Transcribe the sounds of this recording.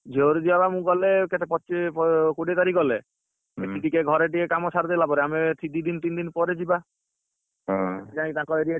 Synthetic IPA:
d͡ʒʱeoɾd͡ʒibabamũɡɔleket̪epɔt͡ʃiɔkuɽit̪aɾiɡɔle | eʈiʈikeɡʱɔɾeʈ̬ikekamɔsaɾd̪elapɔɾeamet̪ʰid̪id̪int̪ind̪inpɔɾed͡ʒiba | et̪ed͡ʒankit̪ãkɔeɾia

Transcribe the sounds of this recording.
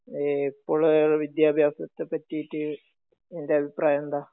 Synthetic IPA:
epːoɭʋid̪jaːbʱjaːsɐt̪ːepɐtːijitːɨ | endeɐbʱipraːjɐnd̪aː

